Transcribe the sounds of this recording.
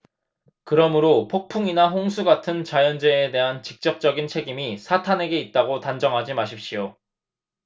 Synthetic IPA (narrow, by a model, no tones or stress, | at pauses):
kɯɾʌmɯɾopʰok̚pʰuŋinaɦoŋsʰuɡatʰɯnt͡ɕajʌnd͡ʑeːde̞ɦant͡ɕik̚t͡ɕ͈ʌk̚t͡ɕ͈ʌɡint͡ɕʰe̞ɡimisʰatʰane̞ɡe̞it̚t͈aɡotand͡ʑʌŋɦad͡ʑimaɕ̬ʰip̚ɕ͈ijo